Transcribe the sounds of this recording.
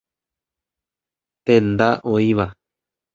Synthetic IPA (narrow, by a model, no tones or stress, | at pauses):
t̪ẽnd̪aʔoiβa